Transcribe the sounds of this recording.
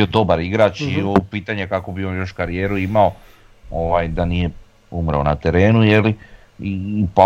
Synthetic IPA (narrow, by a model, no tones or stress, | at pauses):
iod̪o̞baɾiɡɾaːt͡ʃiopiːt̪aɲekako̞bionjo̞ʃkaɾijeːɾuimao̞ | oʋaːjd̪anije̞ | umɾaonat̪e̞ɾe̞ːnuje̞li | iːpa